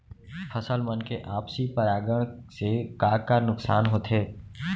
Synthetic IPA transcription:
fʰəsəlmənkeʔaːpsipəɾaːɡəɽ̃sekaːkanʊksaːnɦoːt̪ʰɦeː

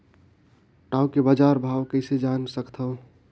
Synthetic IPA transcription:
ʈaːwkebad͡ʒaːɾbʱaːʋkəɪsed͡ʒansəkt̪ʰəʊ

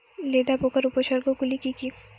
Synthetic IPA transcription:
leːd̪apoːkəɾupəʃəɾkokʊlikiki

